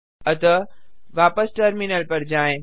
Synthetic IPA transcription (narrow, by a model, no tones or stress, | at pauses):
ɐt̪ɐʋaːpəsʈɐɾminəlpɐɾd͡ʑaːɪ̃